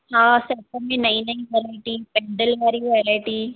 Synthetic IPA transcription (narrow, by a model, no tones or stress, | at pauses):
ɦãːsɐtəmẽnɐĩnɐɦĩʋɛːɾaːʈiːpɪ̃ɳɖəlʋaːɾiʋɛɾaɪʈiː